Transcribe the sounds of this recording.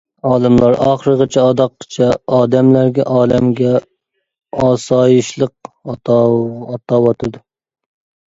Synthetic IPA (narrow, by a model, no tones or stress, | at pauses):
ɑːlˠɨmlˠɑɾʔɑχɾəʁət͡ʃʰɛɑd̪ɑqːə̥t͡ʃʰɛɑːd̪ɛmlæɾɡʲɛ̰ʔɑːlɛmɡʲɛ | ɑːsɑːjiʃlˠəq̚ | ɑt̪ɑwɑt̪ʰɨd̪u